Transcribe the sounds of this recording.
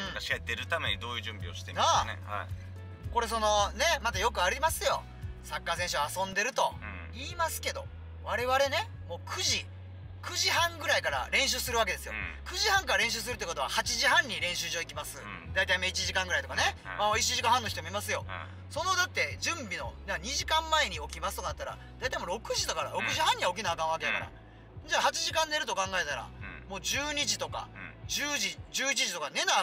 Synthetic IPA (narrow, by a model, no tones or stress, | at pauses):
ɯ̃t̪eɾɯ̟t̪amḛɲid̪o̞ːjɯ̟ːʑɨ̃mbʲḭo̰ɕi̥t̪ena̰ | ko̞ɾe̞so̞no̞ne̞mat̪ajo̞kɯ̟aɾʲimasɨjo̞ | sakːaːsẽ̞ɕɨaːsõ̞nd̪e̞ɾɯ̟t̪o̞ | iːmasɨ̥ke̞d̪o̞ | βaɾe̞βaɾe̞ne̞ | mo̞ːkʰɯ̟ʑi | kɯ̟ʑihãŋɡɯ̟ɾaikaɾa̰ɾẽ̞ɕ̬ɨːsɨɾɯ̟βak̬e̞d̪e̞sɨjo̰kɯ̟ʑihãŋkaɾaɾẽ̞ɕ̬ɨːs̬ɨɾɯ̟t̪ːekot̪oahat͡ɕiʑiɦãɲ̟ːiɾẽ̞ɕɨːʑo̞ːikʲimasɨ | d̪ait̪aimait͡ɕiʑikãŋɡɯɾait̪o̞kane̞mamoit͡ɕiʑikãɦãnːoçit̪o̞moimasɨjo̞ | so̞nod̪at̪ːe̞d͡ʑɨ̃mbʲino̞̰naɲ̟iʑikãmːae̞ɲ̟io̞kʲimasɨ̥t̪onat̪ːaɾa̰ | d̪ait̪aimo̞ɾo̞kɯ̟ʑit̪okaɾaɾo̞kɯ̟ʑihãɲ̟iao̞k̬ʲinaːkãɰ̃βakeaka̰ɾa̰ | d͡ʑahat͡ɕiʑikãnːe̞ɾɯ̟t̪o̞kãŋɡae̞t̪aɾa̰mo̞ːd͡ʑɨːɲ̟iʑit̪o̞ka̰d͡ʑɨːʑid͡ʑɨːit͡ɕiʑit̪o̞kane̞na